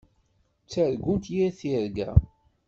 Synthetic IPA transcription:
t͡sːəɾɡunt̪jiɾθiɾɡæ̰

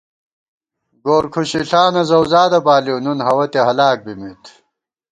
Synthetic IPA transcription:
ɡoːɾkʰuɕiɬaːnɐzɐwzaːd̪ɐbaːliwnunɦɐwɐt̪eɦɐlaːk̚bimit̪

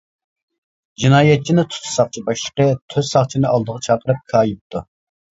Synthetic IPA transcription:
d͡ʒinɑːjɛt̪̚t͡ʃʰinɪt̪ʰʊ̥t̪ʰːsɑχt͡ʃʰibɑʃlə̥qət̪ʰøz̥sɑχt͡ʃʰinɨʔɑlˠd̪əʁɑt͡ʃʰɑqəɾɨp̚kʰɑːjip̚t̪ʰu

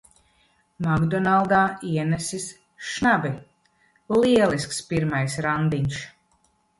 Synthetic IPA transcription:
maɡd̪ɔnalˠd̪aːiɛnɛsis | ʃnabi | lˠiɛlˠiskspiɾmajsɾand̪iɲʲʃ

